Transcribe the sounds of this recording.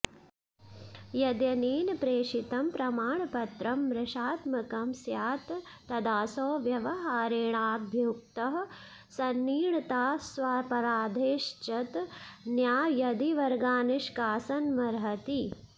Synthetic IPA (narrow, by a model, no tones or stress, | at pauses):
jɐd̪jɐneːnpɾeːʂit̪ɐmpɾɐmaːɳɐpɐt̪ɾɐmɾɪʃaːt̪mɐkɐmsjaːt̪ːɐd̪aːsoːʋjɐʋɐɦaːɾeːɳaːd̪ʱjuk̚t̪ɐɦɐ | sɐnːiːɳɐt̪aːsʋɐpɐɾaːd̪ʱeːʃt͡ʃɐt̪njaːjɐd̪iʋɐɾɡaːnuʂkaːsɐnmɐɾɦɐt̪i